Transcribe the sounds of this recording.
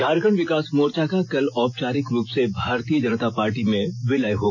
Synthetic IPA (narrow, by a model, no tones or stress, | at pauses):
dʱaːɾkəɳ̃ʋɪkaːsmoːɾt͡ʃakakɐlɔːpt͡ʃaːɾɪkɾuːpsebʱaːɾt̪ijəd͡ʒənət̪apaːɾʈimẽʋɪlaːjɦoː